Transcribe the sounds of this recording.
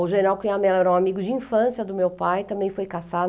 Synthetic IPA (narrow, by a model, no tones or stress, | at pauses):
ʊʒeɾawkẽj̃amɛɛlɛɾɐũamiɡʊd͡ʒɪĩfɐ̃sjɐd̪ʊmewpajt̪ɐ̃mbẽj̃fojkasa